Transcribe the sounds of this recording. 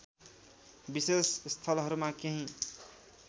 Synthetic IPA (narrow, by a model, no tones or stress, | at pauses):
bisesst̪ʰʌlɦʌɾumakeɦĩ